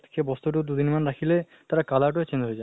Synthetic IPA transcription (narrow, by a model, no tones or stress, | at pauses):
kʰebɔst̪oʈ̬od̪ud̪inmanɾakʰile | t̪aɾakalaʈ̬oet͡ɕend̪oɦojd͡ʑa